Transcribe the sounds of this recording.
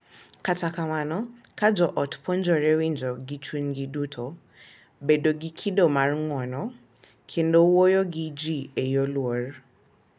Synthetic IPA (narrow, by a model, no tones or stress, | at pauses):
katakamanɔ | kad͡ʒɔʔɔtpʰond͡ʒɔɾɛwind͡ʒɔɡit͡ʃwinɡidutʰo | bedoɡikʰidomarŋwɔnɔ | kʰendowojoɡid͡ʒiejolwor